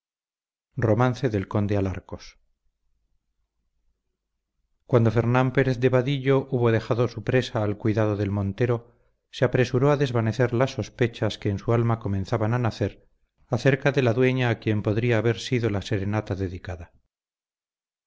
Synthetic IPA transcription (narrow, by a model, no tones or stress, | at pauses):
ro̞mãn̟θe̞ðe̞lko̞nd̪eala̰ɾkos | kwand̪o̞fe̞ɾnampe̞ɾeθd̪e̞βaðiʎo̞ʔuβo̞ðe̞xaðo̞supɾe̞saːlkwiðað̞oðe̞lmõ̞nt̪e̞ɾo̞ | seapɾe̞suɾoaðe̞zβane̞θe̞ɾlasːo̞spe̞t͡ʃaske̞ːnsualmako̞mẽ̞nθaβananaθe̞ɾ | aθeɾkaðe̞laðwe̞ɲaːkje̞mpo̞ðɾiaːβe̞ɾsiðo̞lase̞ɾe̞nat̪aðe̞ðikaða